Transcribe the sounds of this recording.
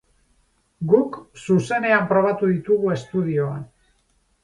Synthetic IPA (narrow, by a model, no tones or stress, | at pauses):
ɡuksuse̞ne̞ampɾo̞β̞at̪uðit̪uɣue̞st̪uðio̞an